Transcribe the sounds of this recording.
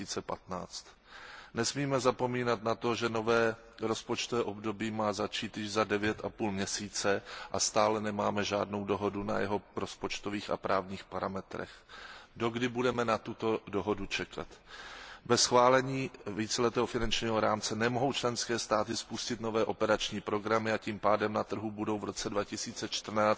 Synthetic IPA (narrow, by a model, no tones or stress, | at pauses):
iːt͡sɛpat̪na̰ːt͡st̪ | nɛsmiːmɛzapo̞miːnat̪nat̪o̞ʒɛno̞vɛː | ɾo̞spo̞t͡ʃt̪ovɛːʔo̞bdo̞biːmaːzat͡ʃiːt̪jɪʒzadɛvjɛt̪ʔapuːlmɲɛsiːt͡sɛʔa̰st̪aːlɛnɛmaːmɛʒa̰ːdno̞wdo̞ɦo̞duna̰jɛɦo̞ɾo̞spo̞t͡ʃt̪o̞viːxa̰pɾʔaːvɲiːxpaɾamɛt̪ɾɛ̰xdo̞ɡdɪbudɛmɛnat̪ut̪o̞do̞ɦo̞dut͡ʃɛkʰa̰t̪bɛsxvaːlɛɲiːviːt͡sɛlɛt̪ɛːɦofɪnant͡ʃɲiːɦoɾaːmt͡sɛnɛmoɦo̞wt͡ʃlɛnskɛːst̪aːt̪ɪspuscɪt̪novɛːʔo̞pɛɾat͡ʃɲiːpɾo̞ɡɾamɪaciːmpaːdɛmnat̪r̩ɦubudo̞wvɾo̞t͡sɛdvacɪsiːt͡sɛt͡ʃt̪r̩naː